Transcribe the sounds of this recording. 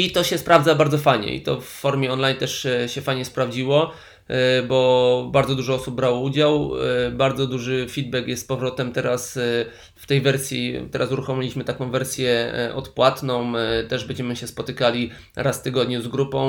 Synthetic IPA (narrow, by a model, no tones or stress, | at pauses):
it̪ɔɕɛspɾavd̪zabaɾd̪ɔfajɲɛ̰ḭt̪ɔ̰fːɔɾmʲjɛɔnlajnt̪ɛʂɕɛfajɲɛspɾavd͡ʑiwɔ | bɔbaɾd̪zɔd̪uʐɔɔsub̚bːɾawɔud͡ʑawbaɾd̪zɔd̪uʐɘfʲid̪̚bɛkjɛst̪pɔvɾɔt̪ɛmt̪ɛɾas | ft̪ɛjvɛɾsʲjḭt̪ɛɾʔasuɾuxɔmʲilʲiɕmɘt̪akɔ̃w̃vɛɾsʲjɛʔɔ̰t̪pwat̪nɔ̃w̃t̪ɛʐbɛɲd͡ʑɛmɘɕɛspɔt̪ɘkalʲi | ɾasft̪ɘɡɔd̪ɲuzɡɾupɔ̃w̃